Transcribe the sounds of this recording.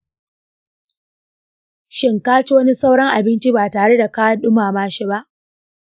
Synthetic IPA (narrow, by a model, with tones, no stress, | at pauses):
ʃɪ˦ŋkaː˦t͡ʃe˦wɐ˦ni˦sa˦wɽɐ˦ŋʔa˨bɪ˦nt͡ʃi˦baː˨taː˨ɽe˦da˨kaː˦ɗʊ˦maː˨maː˦ʃi˦ba˦ʔ